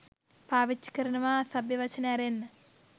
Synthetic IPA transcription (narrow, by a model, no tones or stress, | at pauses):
paːʋit͡ʃːi̥kəɾɐnɐʋaːsabjɐʋɐt͡ʃɐneaɾenːə